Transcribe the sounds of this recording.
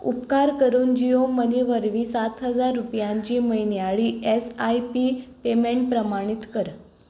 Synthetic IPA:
ṵpkaɾkəɾuːnd͡ʑioməniʋəɾʋiːsat̪ɦəd͡zaɾːupjãɲt͡ɕiːməjnjaɭiːesajpiːpemeɳʈ̚pɾəmaɽ̃it̪kəɾ

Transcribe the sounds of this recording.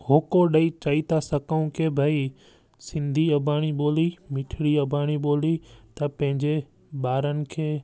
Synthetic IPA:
ɦoːkoɗɐit͡ɕaːit̪ʰasɐkəũkeːbʱai | sɪ̃nd̪ʱiɐbʱaːɽ̃iɓoːlimɪʈʰɪɽiɐbʱaːɽ̃iɓoːlit̪ɐpɐ̃ɦɪ̃ɲd͡ʑe | ɓaːɾənɪ̆kʰeː

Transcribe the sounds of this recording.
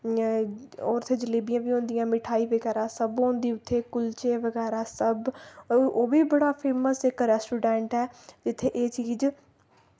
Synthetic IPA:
oːɾʊt̪ʰːeːd͡ʒəleːbijãːʋiːɦõːnd̪ijãːmɪʈʰaːiːʋəɡɛːɾãːsəbɦõːnd̪iːʊt̪ʰːeːkʊlt͡ʃeːʋəɡɛːɾaːsəbʔoːʋiːbəɽaːpʰeːməsɪkɾɛːsʈuːɖɛ̃ːɳʈɛːd͡ʒɪt̪ʰːeːʔeːt͡ʃiːz

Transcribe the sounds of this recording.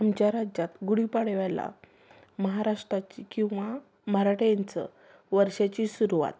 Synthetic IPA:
amt͡ɕjaɾad͡ʑat̪ɡuɽipaɽʋajla̰ | məɦaɾaʂʈɾat͡ɕikĩw̃ʋa | məɦaɾaʈjant͡sə̰ | ʋəɾɕat͡ɕisuɾuʋa̰t̪̚

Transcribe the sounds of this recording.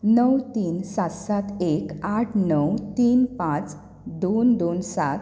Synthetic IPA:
nəwt̪iːnsat̪sat̪ekaʈʰnəwt̪iːnpãt͡s | d̪ond̪onsat̪

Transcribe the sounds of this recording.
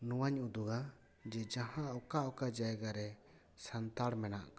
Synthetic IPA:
nuwaɲud̪uɡa | d͡ʒɛd͡ʒãɦãʔɔkaʔɔkad͡ʒajɡaɾɛ | sant̪aɽmɛna̰ʔka

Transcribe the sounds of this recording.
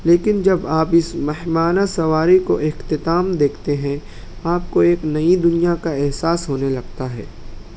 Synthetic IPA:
leːkɪnd͡ʒɐbaːpɪsmɛɦmaːnasɐʋaːɾiko̰ʔɪxt̪ɪt̪aːmd̪eːkʰt̪eɦɛ̃ | aːpkoeːknɐid̪ʊnijakaɛɦsaːsɦoːnelɐɡt̪aɦɛ̰ː

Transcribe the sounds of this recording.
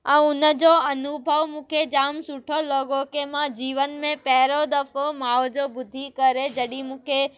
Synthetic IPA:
ə̃ʊnəd͡ʑoɐnʊbʱəʋmũːkʰed͡ʑaːmsʊʈʰoloːɡokemãd͡ʑiːʋənmẽpɛɦɪɾod̪əfomaːʋd͡ʑobʊd̪ʱikəɾed͡ʑɐɗimũːkʰe

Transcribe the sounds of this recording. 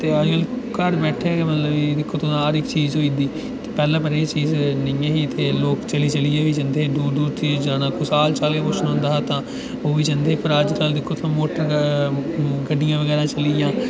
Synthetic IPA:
t̪eːəd͡ʒkəlkəɾbɛːʈʰeːɡeːmət̪ləbiːd̪ɪkʰːoːt̪ʰoːnaːɾɪkt͡ʃiːzɦoːĩd̪iː | eːpɛːlãːpəɾeːt͡ʃiːznɪãːɦiːt̪eːloːkt͡ʃəliːt͡ʃəlieːʋiːd͡ʒənd̪eːduːd̪uːɾt̪ʰiːd͡ʒaːnãːkʊsaːlt͡ʃaːleːpʊt͡ʃʰnõːnd̪aːaːt̪ãː | oːʋiːd͡ʒənd̪eːpʰəɾaːd͡ʒnaːld̪ɪkʰːoːt̪ʰːãmoːʈəɾ | ɡəɖːɪjãːʋəɡɛːɾãːt͡ʃəlijãː

